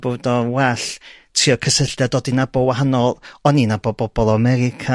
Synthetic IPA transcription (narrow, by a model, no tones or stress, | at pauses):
b̥odɔwɛɬtʰiɔkʰəsəɬdjadodinabɔwaɦanɔlˠɔninabɔbɔbɔlˠaamɛɾɪkʰa